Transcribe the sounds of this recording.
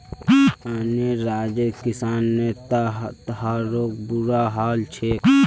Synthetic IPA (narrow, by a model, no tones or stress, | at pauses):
aneɾaːd͡ʒekisaːnːet̪t̪əɦaɾoːk̚buɾaɦaːlt͡ʃʰe